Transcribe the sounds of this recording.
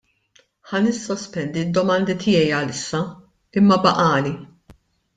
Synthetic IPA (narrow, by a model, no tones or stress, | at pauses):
ħɐnɪsːɔspɛnd̪id̪ːɔmɐnd̪ɪt̪ʰɪjɛjɐlɪsːɐ | ɪmːɐbɐʔɐːli